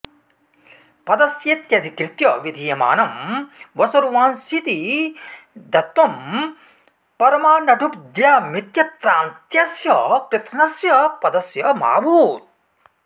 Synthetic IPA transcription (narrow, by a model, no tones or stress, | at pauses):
pɐd̪ɐsjet̪jɐd̪ʱikɾit̪jɐʋid̪ʱiːɐma̰ːnɐmʋɐsɐɾuʋaːnsit̪i | d̪ɐt̪ʋɐm | pɐɾɐmaːnɐʈʰupd̪jaːmit̪jɐt̪ɾaːnt̪jɐsjɐpɾɐt̪ʃnɐsjɐpɐd̪ɐsjɐma̰ːbʱuːt̪̚